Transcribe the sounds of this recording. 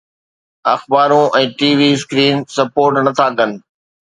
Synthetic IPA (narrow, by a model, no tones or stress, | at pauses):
ɐxbaːɾũʔɛ̃ːʈiːʋiːskɾiːnsɐpoːɾʈnɐt̪ʰakən̆